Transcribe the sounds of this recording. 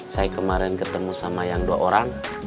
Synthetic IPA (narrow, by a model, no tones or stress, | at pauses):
sajakəmaɾɛnkət̪əmusamajaŋdua̰ʔoɾaŋ